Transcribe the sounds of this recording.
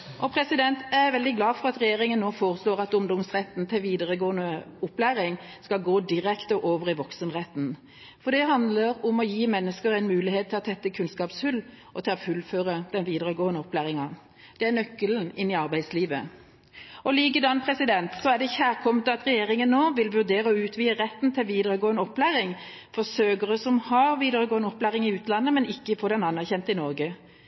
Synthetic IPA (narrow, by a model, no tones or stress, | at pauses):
ʔɔpʰɾɛsɪd̪ɛnt̪æʋɛld̪ɪɡlɑːfɔɾʁɑt̪ɾɛjeːʁɪŋənːoːfoːʁəsloːʁɑt̪ʊmd̪ɔmsʁɛt̪ːn̩t̪ʰɪlʋiːd̪əʁəɡoːənəʊplæːɾɪŋskɑlɡoːd̪ɪɾɛkt̪ɔʔoːʋəʁɪʋɔksənʁɛt̪ːn̩ | fɔɾd̪ɛɦɑnd̪ləɾʊmɔjiːmɛnːəskəɾæɪnmʉːlɪheːt̪ʰːɪlɔt̪ʰɛt̪ːəkʰʉnskɑːpshʉl | ʔɔt̪ʰɛlɔfʉlføːʁəd̪̥ɛnʋiːd̪əʁəɡoːənəɔplæːɾɪŋɑ | d̪̥ɛæʁnœkːəln̩ɪnːɪɑʁbæɪd̪sliːʋə̰ | ɔliːk̬əd̪ɑnːpʰʁɛsɪd̪ɛnt̪sɔæd̪ɛçæːʁkʰɔmət̪ɑt̪ʁɛjeːʁɪŋənːoːʋɪlʋʉʁd̪eːʁəɔʉːt̪ʰʋiːəʁɛt̪ːn̩t̪ʰɪlʋiːd̪əʁəɡoːənəɔpːlæːʁɪŋ | fɔʁsøːɡəʁəsɔmhɑʁʋiːd̪əʁəɡoːənəɔpːlæːʁɪŋɪʉːt̪lɑnːəmɛnɪkːəfɔd̪ɛnɑnːæʁçɛnt̪əɪnɔʁɡə